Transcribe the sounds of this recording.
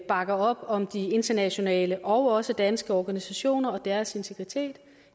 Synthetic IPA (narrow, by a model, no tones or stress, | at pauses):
b̥ɑ̈ɡ̥ɐɒ̽b̥ɒ̽md̥ie̝nd̥ɐnæɕo̝nɛ̰ːləʔɒʊɒ̽səd̥ænsɡ̥əɒːɡ̥ænisæɕo̝̰ːnɐɒ̽d̥æɐse̝nt͡sʰe̝ɡ̥ʁit͡sʰe̝̰ːd̥